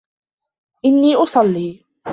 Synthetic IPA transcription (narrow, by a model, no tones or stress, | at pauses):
ʔɪnːiːʔʊsˤɑlːiː